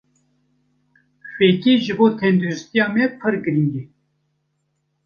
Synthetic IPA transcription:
ɕeːkeːʒɨboːt̪ʰɛnd̪uɾɪst̪ijɑːmɛpʰɨɾɡɨɾiŋɡe

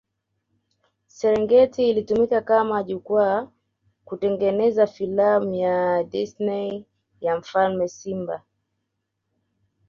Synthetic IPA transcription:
sɛɾɛŋɡɛtiːlitumikakamaʄukwa | kutɛŋɡɛnɛzafilamujadisnɛ | jaɱ̩falmɛsimba̰

